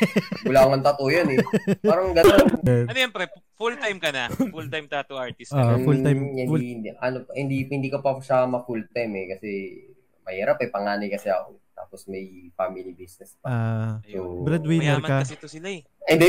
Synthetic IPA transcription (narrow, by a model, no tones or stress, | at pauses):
bʊlaŋɐnt̪ɐt̪ojonɛpaːɾɐŋɡɐnonɛnɐnjanpɾɛ | fult̪ajmkɐnɐfult̪ajmt̪at̪oʔaɹt̪ɪsofult̪ajmɪnʔɐnophɪnd̪ihɪnd̪iːkɐpɐʃamɐfult̪ajmɛkɐsɛ | mɐhiːɾapɛpɐŋaːnɐjkɐsɛɐ̰ko̰t̪a̰ːposmɐjfamɪlibisnɛspɐsobɾɛd̪winɛɾmkɐt̪osɪlaɛ | ɛnd̪ɛ